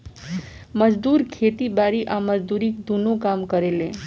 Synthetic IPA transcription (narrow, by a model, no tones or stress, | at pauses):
məd͡ʒd̪uɾkʰet̪ibaɾiʔaməd͡ʒd̪uɾikd̪unokamkəɾelẽ